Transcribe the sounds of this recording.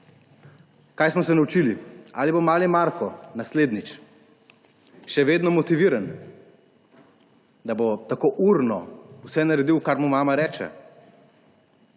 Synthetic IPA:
kajsmɔsɛnawut͡ʃilia̰libomaːlimaːɾkɔnasleːd̪nit͡ʃ | ʃɛʋeːd̪nɔmɔt̪iʋiːɾan | d̪abot̪akoːʔuɾnɔusɛnaɾɛd̪iwkaɾmumaːmaɾɛːt͡ʃɛ̰

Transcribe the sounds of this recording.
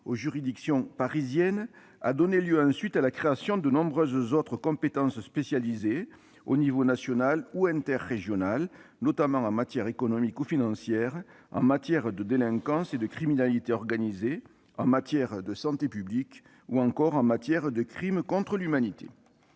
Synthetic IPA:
oʒyʁid̪iksjɔ̃paʁizjɛn | a̰d̪ɔneljøɑ̃sɥit̪alakχeasjɔ̃d̪ənɔ̃bʁøzzɔt̪χəkɔ̃pet̪ɑ̃sspesjalize | o̰nivonasjɔnaluɛ̃nt̪ɛʁːeʒjɔnalnɔt̪amɑ̃ɑ̃mat̪jɛʁekɔnɔmikufinɑ̃sjɛʁ | ɑ̰̃mat̪jɛʁd̪əd̪elɛ̃ŋkɑ̃sed̪əkχiminalit̪eɔʁɡanize | ɑ̃mat̪jɛʁd̪əsɑ̃t̪epyblik | uɑ̃ŋkɔʁɑ̃mat̪jɛʁd̪əkχimkɔ̃t̪χəlymanit̪ḛ

